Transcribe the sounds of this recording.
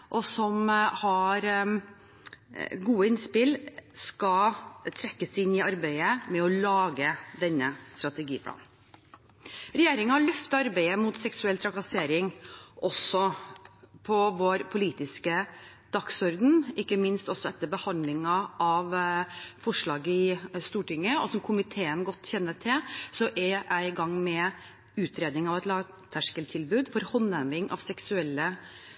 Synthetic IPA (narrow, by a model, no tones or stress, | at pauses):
ʔɔsɔmhɑɾ | ɡuːəɪnspɪlskɑt̪ʰɾɛkːəsɪnːɪɑɾbæɪəmɛɔlɑːɡəd̪ɛnːəst̪ɾɑt̪ɛɡiːpʰlɑ̰ːn | ɾɛjeːɾɪŋɑɑɭœft̪ɑɾbæɪəmʊt̪sɛksʉɛlt̪ʰɾɑkɑseːɾɪŋʔɔsɔ | pʰɔʋoːɾpʰʊliːt̪ɪskə | d̪̥ɑksɔɾd̪n̩ɪkːəmɪnst̪ɔsɔɛt̪ːəɾbəhɑnd̪lɪŋɑʔɑʋfɔʂɭɑːɡəɪst̪uːʈɪŋːəɔsɔmkʰʊmɪt̪ʰeːənɡɔt̪ːçɛnːəʈʰɪlsɔʔɛʔæɪɡɑŋːmɛ | ʉːt̪ʰɾeːd̪nɪŋɑʋɛt̪lɑːɡ | t̪ʰæʂkəlt̪ʰɪlbʉːd̪fɔɾhɔnːɛʋɪŋʔɑ̰ʋsɛksʉɛlːə